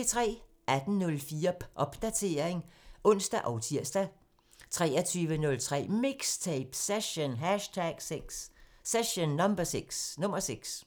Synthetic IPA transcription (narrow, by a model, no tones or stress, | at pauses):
et͡sʰʁɛ̰ː | ʔæd̥n̩nɔ̽lfiːɐʔɒ̽b̥d̥æt͡sʰe̝ːɐeŋʔɔ̽n̰sd̥æʔɒʊt͡sʰiɐ̰sd̥æ | t͡sʰʁɛ̰ːɐt͡sʰyːʋənɔ̽lt͡sʰʁɛ̰ːmiɡ̥st͡sʰeɪb̥seɕonɦæʃtʰæɡ̥seɡ̥sːeɕonːɒ̽mb̥ɐseɡ̥snɔ̽mɐseɡ̥s